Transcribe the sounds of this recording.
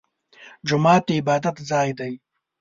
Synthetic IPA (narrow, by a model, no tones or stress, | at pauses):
d͡ʒʊmɑːt̪eɪbɑːd̪at̪zɑːjd̪aj